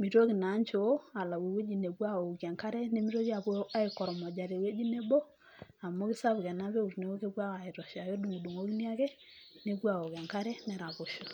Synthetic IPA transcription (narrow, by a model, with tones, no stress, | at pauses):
mi˨ɾo˦ki˨na˨˦ɲt͡ʃo˨˦a˨la˨we˨we˦d͡ʒi˦˨ne˨ɡwa˦o˨kɛ˨ŋka˦ɾɛ˦ne˦mi˦ɾo˦ki˦a˨βo˦a˦i˨kɔ˨ɾɔ˨mɔ˨d͡ʒa˨ɾe˨we˦d͡ʒi˦ne˦bo˦ | a˨mo˦kɪ˦sa˦βkɛ˨na˦βe˦u˨ɾne˨˦wo˦ke˦kwa˦ka˨i˨ɾɔ˨ʃa˨jo˦du˨ŋu˨du˨ŋo˦ki˦ni˦a˦kɛ˦ | ne˨ɡwa˨o˨kɛ˨ŋka˦ɾɛ˦nɛ˨ɾa˨βo˨ʃo˨